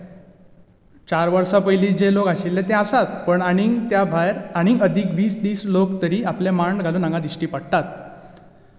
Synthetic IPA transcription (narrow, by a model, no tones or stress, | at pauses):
t͡ɕaɾʋəɾsapəjliːd͡ʑelokaɕilːet̪easat̪̚pəɳaɽ̃it̪jabʱajɾaɽ̃iʔəd̪ʱiːkʋiːsd̪iːslokt̪əɾiːaplemaɳɖɡʱaluːnaŋɡad̪iɕʈiːpəɽt̪at̪̚